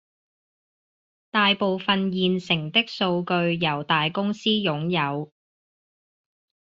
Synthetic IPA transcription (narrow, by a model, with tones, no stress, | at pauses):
t̪aː˨jpo˨wfɐ˨njiː˨nsɪ˨˩ŋt̪ɪ˥k̚so˧wkɵ˧ɥjɐ˨˩wt̪aː˨jkʊ˥ŋsiː˥jʊ˨˥ŋjɐ˨˧w